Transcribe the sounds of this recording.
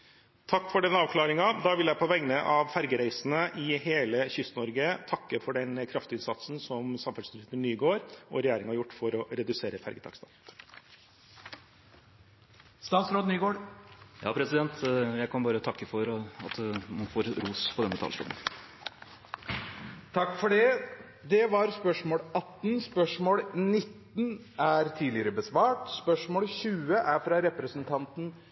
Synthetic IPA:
t̪ʰɑkːfɔɖɛnːəɑːʋkʰlɑːɾɪŋɑd̪ɑːʋɪljæɪpʰɔʋɛŋnəʔɑʋfæɾɡəɾæɪsn̩əʔɪɦeːləçʏst̪nɔɾɡət̪ʰɑkːəfɔɖɛnkʰɾɑft̪ʉnsɑt̪sn̩sɔmsɑmfælsɪt̪ənːyːɡoːɾɔ̰ɾɛjæːɾɪŋhɑɾjʊʈːfɔɾɔɾɛd̪ʉseːɾəfæ̰ɾɡət̪ʰɑ̰kst̪ɑ̰l | st̪ɑːt̪sɾoːd̪nyːɡoːjɑ̰ːpʰɾɛsɪd̪ɛnt̪jæɪkʰɑnbɑːɾət̪ʰɑkːəfɔɾɑt̪mɑnfoːɾɾuːspʰɔd̪ɛnːət̪ʰɑ̰lsɾɔ̰mn | t̪ʰɑkːfɔɖɛ | d̪ɛʋɑɾspœʂmoːlɑt̪ːn̩spœʂmoːlnɪt̪ːn | æɾt̪ʰiːlɪəɾəbəsʋɑːʈspœʂmoːlɕʉːəʔæɾfɾɑɾɛpɾəsənt̪ʰɑnt̪n̩

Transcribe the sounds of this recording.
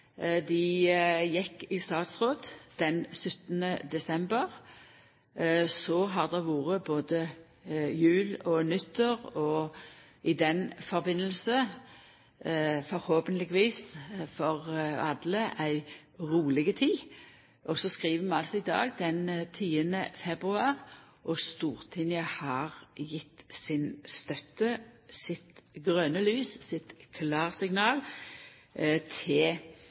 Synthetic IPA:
d̪ɪjɛkːɪst̪ɑːt̪sʁoːd̪d̪̥ɛnsʏt̪ːənəd̪ɛsɛmbəʁ | sɔɦɑʁd̪ɛʋuːʁəboːd̪ə | jʉːlɔnʉt̪ːəʁɔ | ɪd̪ɛnfɔʁbɪnːəlsə | fɔɾhoːpənlɪɡʋiːsfɔʁɑ̰d̪ləʔæɪ | ʁuːlɪɡət̪ʰiː | ʔɔsɔskʁiːʋəmɛɑlsɔɪd̪ɑ̰ːɡd̪ɛnt̪ʰiːənəfɛbʁʉɑːʁ | ʔɔst̪uːʁt̪ʰɪnɪɑhɑʁjɪt̪ːsɪnst̪œt̪ːəsɪt̪ɡʁœnəlyːssɪt̪kʰlɑːʁsɪŋnɑːl | t̪ʰɪ

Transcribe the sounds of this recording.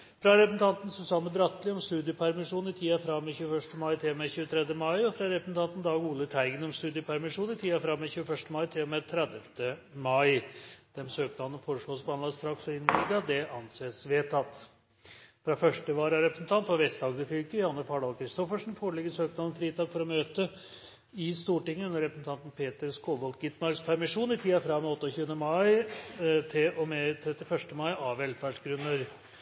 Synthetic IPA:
fɾɑɾɛpəsn̩t̪ʰɑnt̪n̩sɔsɑːməbɾɑt̪ːlɪɔmst̪ʉːd̪ɪəpʰæɾmɪʂuːnɪt̪ʰiːɑfɾɑmɛçʉːəfœʂʈəmɑɪt̪ʰɪlɔmɛçʉːət̪ʰɾɛd̪jəmɑɪɔfɾɑɾɛpəsn̩t̪ʰɑnt̪n̩d̪ɑːɡuːlət̪ʰæɪɡənɔmst̪ʉːd̪ɪəpʰæɾmɪʂuːnɪt̪ʰiːɑfɾɑmːɛçʉːəfœʂʈəmɑɪt̪ʰɪlɔmɛt̪ʰɾɛd̪əft̪əmɑɪd̪̥ɛmsøːknɑnənfoːɾəʂɭoːspʰlɑnɑd̪əst̪ɾɑksɔɪnːmid̪ɑd̪ɛʔɑnseːsʋeːt̪ʰɑt̪ː | fɾɑfœʂʈəʋɑːɾæɾɛpɾəsn̩t̪ʰɑnt̪fɔʋɛst̪d̪ɑːɡd̪əfʏkəjʊhɑnːəfɑːɖɑlkʰɾɪst̪ɔfəʂn̩foːɭɛɡəsøːkmɑnən̩fɾiːd̪ɑːɡfɔɾɔmøːt̪ə | ɪst̪uːʈɪŋːəʉnːəɾɛpɾəsn̩t̪ʰɑnt̪n̩pʰeːt̪əɾskoːʋɔlt̪ɡɪt̪mɑɾkspʰæɾmɪʂuːnɪt̪ʰiːɑfɾɑɛɔt̪ːɔçʉːənəmɑɪ | t̪ʰɪʔɔmɛt̪ʰɾɛt̪ːɪfœʂʈəmɑɪɑʋɛlːfæɖʂɡɾʉnːəɾ

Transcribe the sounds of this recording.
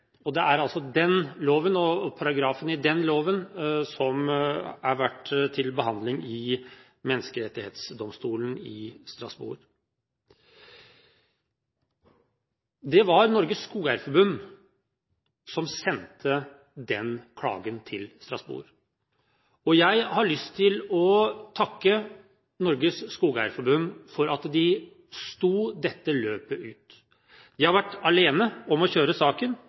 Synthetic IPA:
ɔd̪ɛʔæɾɑlsɔd̪ɛnloːʋənɔpʰɑɾɑɡɾɑːfənɪd̪ɛnloːʋənsɔmæɾʋæʈt̪ʰɪlbəɦɑnd̪lɪŋɪ | mɛnːəskəɾɛt̪ːɪheːt̪sd̪ɔmst̪uːlənɪst̪ɾɑsbṵːɾ | d̪ɛʋɑɾnɔɾɡəsːkuːæɾfəbʉm | sɔmsɛnt̪ʰə | d̪ɛnkʰɽɑ̰ːɡənt̪ʰɪlst̪ɾɑ̰sbṵːɾ | ɔjæɪhɑɭʏst̪ʰːɪlɔt̪ʰɑkːə | nɔɾɡəsːkuːɡæ̰ɾfɔɾbʉnːfɔɾɑt̪d̪ɪ | st̪uːd̪ɛt̪ːəløːpəʔʉːt̪ | d̪̥ɪhɑɾʋæʈːɑleːnəɔmɔɕøːɾəsɑːkən

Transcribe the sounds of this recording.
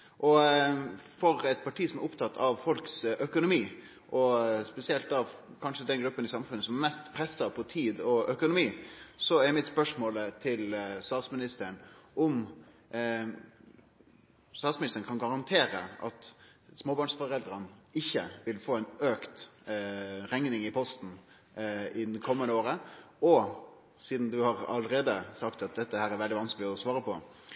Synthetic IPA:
ʔɔ | fɔɾɛt̪̚pʰɑʈʰiːsɔmæɾʊpt̪ʰɑt̪ʰːɑʋfɔlksœkʊnʊmiː | ʔɔspɛsɪɛlt̪ɑʋ | kʰɑnʂəd̪ɛnɡɾʉpːənɪsɑmfʉnːəsɔmæɾmɛst̪pʰɾɛsːɑpʰɔt̪ʰiːd̪ɔœkʊnʊmiːsɔæɾmɪt̪spœʂmoːlət̪ʰɪlst̪ɑːt̪smɪnɪst̪əəɳʔɔm | st̪ɑːt̪smɪnɪst̪ən̩kʰɑnɡɑɾɑnt̪ʰeːɾəʔɑt̪smoːbɑɳʂfɔɾɛld̪ɾənɪçːəʋɪlfoːæɪnøːkt̪ | ɾɛŋnɪŋɪpʰɔst̪n̩ | ɪd̪kʰɔmːənəoːɾə | ɔ | siːd̪n̩d̪ʉhɑɾɑ̰ləɾeːd̪əsɑkt̪ɑt̪̚d̪ɛt̪ːəhæːɾɛɾʋɛld̪ɪʋɑnskəlɪɔsʋɑːɾəpʰɔ

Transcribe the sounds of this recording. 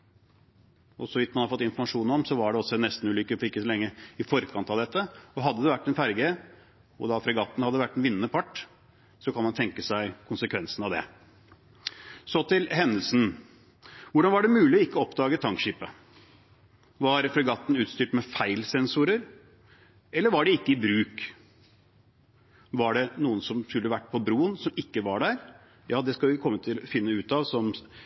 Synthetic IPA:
ɔsɔʋɪt̪ːmɑnhɑɾfɔt̪ːɪnfɔɾmɑʂuːnɔmsɔʋɑɖɛɔsːɔɛnɛst̪n̩ʉːlʏkːəɪɔfɔɾɪkːəsɔlɛŋːəɪfɔɾkʰɑnt̪ɑʋd̪ɛt̪ːəɔɦɑd̪ːəd̪ɛʋæʈːɛnfæɾɡə | ɔ̰d̪ɑfɾɛɡɑːt̪n̩hɑd̪ːəʋæʈːɛnʋɪnːəpʰɑʈː | sɔkʰɑnmɑnt̪ʰɛŋkəsæɪkʰʊnsəkʰʋɛnsnɑʋd̪ɛ̰ | sɔt̪ʰɪlɦɛnːəlsn̩ | ʋʊɖɑnʋɑɖɛmʉːlɪɔɪkːɔɔpd̪ɑːɡət̪ʰɑŋkʃiːpə | ʋɑɾfɔɾɡɑt̪ːn̩ʉːt̪st̪yːʈmɛfæɪlsɛnsuːɾəɾ | ɛlːəɾʋɑɖɛɪkːəɪbɾʉːk | ʋɑɖɛnuːənsɔmskʉlːəʋæʈːpʰɔbɾuːənsɔmɪkːəʋɑɖæːɾ | jɑːd̪ɛskɑlʋɪkʰɔmːət̪ʰɪlɔfɪnːəʉːt̪ɑʋsɔm

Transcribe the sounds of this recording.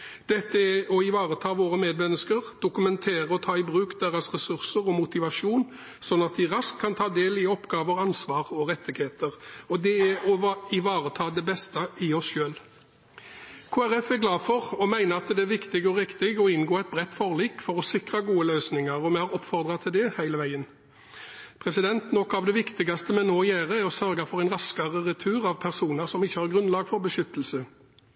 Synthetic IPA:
d̪̥ɛt̪ːəæɔɪʋɑːʁət̪ʰɑːʋoːʁəmeːd̪mɛnːəskəʁd̪̥ʊkʉmɛnt̪ʰeːɾəɔt̪ʰɑːɪbʁʉːkd̪eːʁɑsʁɛsʉʁsəɾɔmʊt̪ɪʋɑʂuːn | sɔnːɑt̪̚d̪ɪʁɑskʰːɑnt̪ʰɑːd̪eːlɪɔpɡɑːʋəʁɑnsʋɑːʁɔʁɛt̪ːɪɡheːt̪əʁɔd̪ɛæɔɪʋɑːʁət̪ʰɑːd̪ɛbɛst̪əʔɪɔsʃøːl | kʰoːæɾɛfæɾɡlɑːfɔʁɔmæɪnəɑt̪d̪ɛæɾʋɪkt̪ɪɡɔʁɪkt̪ɪɡɔɪnɡoːɛɪt̪̚bʁɛt̪ːfɔʁliːkfɔɾɔsɪkʁɑɡuːəløːsnɪŋəʁɔmɛhɑɾɔpːfɔʁd̪ʁɑt̪ʰɪld̪ɛhæɪləʋæɪən | pʰʁɛsɪd̪ɛnt̪nɔkːɑʋd̪ɛʋɪkt̪ɪɡɑst̪əmɛnoːjæːʁəɾɔsœɾɡɑfɔʁæɪnʁɑskɑʁəʁɛt̪ʰʉːʁɑʋpʰæʁsuːnəɾsɔmɪçːəhɑɾɡʁʉnlɑːɡfɔɾbəʃʏt̪ːəlsə

